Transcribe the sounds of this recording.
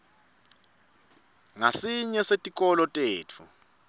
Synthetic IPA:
ŋasiɲɛsetʼikʼɔlɔtʼeːtʰu

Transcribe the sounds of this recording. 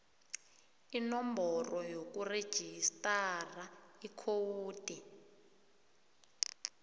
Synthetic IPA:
inɔmbʱɔrɔjok̬ʼured̥ʒ̥ʱistʼaraikʰowuːd̥ʱʼi

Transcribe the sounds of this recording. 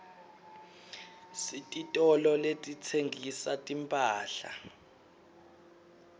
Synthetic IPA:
sitʼitʼɔlɔletʼit͡sʰeŋʱisatʼimpʼaːɬa̰

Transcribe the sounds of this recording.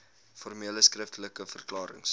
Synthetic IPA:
fɔrmiələskrəftələkəfərklɑːɾə̰ŋs

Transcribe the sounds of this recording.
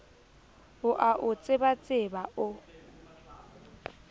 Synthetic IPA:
ʊʔaʔʊt͡sʼɪbat͡sʼɪbaʊ

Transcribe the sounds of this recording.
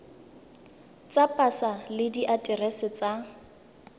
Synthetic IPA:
t͡sʼapʼasalɪdiʔatʼɪrɛsɪt͡sʼa

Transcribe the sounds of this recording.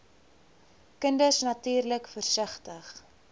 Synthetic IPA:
kəndəsnɐtyːrləkfərsəχtəχ

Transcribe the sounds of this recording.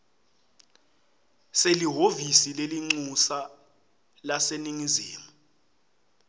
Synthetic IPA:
seliɦovisileliŋ͡ǀusa | laseniŋiziːmu

